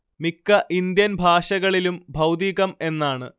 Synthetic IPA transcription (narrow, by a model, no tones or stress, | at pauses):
mikːɐʔind̪jɐnbʱaːʂɐɣɐɭilumbʱɐwd̪iːɣɐme̞nːaːɳɨ̰